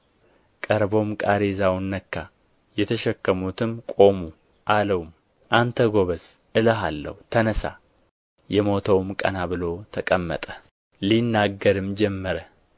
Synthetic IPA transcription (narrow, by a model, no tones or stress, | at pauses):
kʼəɾbo̞mkʼaɾezawnːəkːa | jɛt̪ʰəʃɛkːəmut̪ʰɨmkʼo̞mu | ʔaləwum | ʔant̪ʰəɡo̞βəsʔɨləɦalːə̰hut̪ʰənəsa̰ | jɛmo̞t̪ʰəwmkʼə̰naβɨlo̞t̪ʰəkʼəmːə̰t̪ʼə̥ | linːaɡːəɾɨmd͡ʒɛmːəɾə